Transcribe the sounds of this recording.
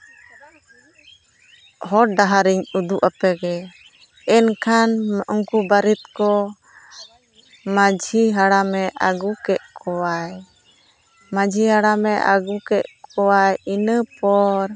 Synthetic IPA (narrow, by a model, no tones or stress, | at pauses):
hɔɖaɦaɾiɲud̪uʔapɛɡɛ | ɛnkʰanmʔɔŋkubaɾit̪̚kɔ | mad͡ʒʱiɦaɽamɛʔaɡukɛʔ̪̚kʰɔwaj | mad͡ʒʱiɦaɽamɛʔaɡukɛʔ̪̚kɔwajinəpɔɾ